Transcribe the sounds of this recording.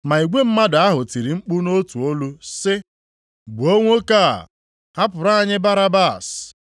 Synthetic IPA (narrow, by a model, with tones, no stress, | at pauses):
ma˨i˨ɡʷe˦m̩˦ma˦da˦ɦʊ˨ti˨ɾi˨ŋ͡m̩˦k͡pu˦no˦tu˨o˦lu˦sɪ˦ | ɡ͡bu˨o˦ŋʷo˦ka̰˦˨ | ha˦pʊ˨ɾa˦˨ɲɪ˦ba˦ɾa˦ba˦˨s